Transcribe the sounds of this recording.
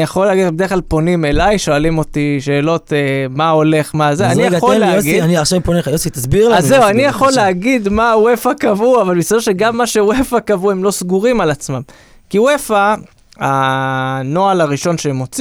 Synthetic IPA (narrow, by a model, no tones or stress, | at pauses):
jaχolːeaɡid̪bdeχklalpo̞nime̞lajʃo̞alimo̞t̪iʃe̞ːlo̞t̪emao̞le̞χmazeanijaolleaoɡid̪aniaχʃavponeχajosit̪asbiʁlazzeuanijaχo̞leaɡid̪mawe̞fakavuavalbistod̪e̞ʃeɡamːaʃe̞wefakavuemlo̞sɡuʁimalat͡smam | kiwefa | a | no̞alaʁiʃo̞nʃemːo̞t͡s